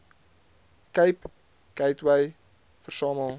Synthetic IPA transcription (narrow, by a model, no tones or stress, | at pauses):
kɐjp | kɐjtwɛj | fərsɑːməlˠ